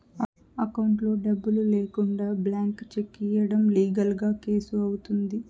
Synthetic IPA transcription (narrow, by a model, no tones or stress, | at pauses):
ɐkɐwɳʈlo̞ːɖɐbːululeːkuɳɖaːblaːŋkt͡ʃe̞kːijɐɽɐmliːɡɐlɡaːke̞ːsuɐwut̪und̪i